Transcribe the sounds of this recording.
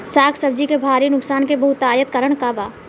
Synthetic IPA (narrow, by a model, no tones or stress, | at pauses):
saːkʰsəb̚d͡ʒikebʱaːɾinʊksaːnkebɐɦʊt̪aːjət̪kəɾəɳ̃kabaː